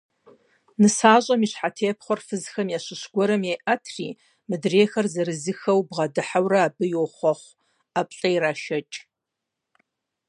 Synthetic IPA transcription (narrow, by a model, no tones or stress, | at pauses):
nɨsaːɕʼɐmiɕħatʰeːpχʷɔrfɨzxɐmjaːɕɪɕɡʷɔɾɐmjajʔɐtʰrḭː | mɨdreːxɐrzɐɾɨzɨxɐwbʁɐdɨħawrɐːbɨjoχʷɔχʷ | apʼɬʼɐjɾaːʃɐt͡ʃʼ